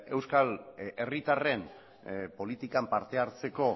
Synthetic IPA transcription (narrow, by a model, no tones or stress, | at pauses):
e̞wskale̞rit̪are̞m | po̞lit̪ikampaɾt̪e̞aɾt͡se̞ko̞